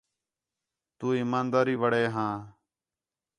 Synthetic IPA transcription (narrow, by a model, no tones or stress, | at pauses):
t̪uːiːmaːnd̪aːɾiːʋəɽeːɦãː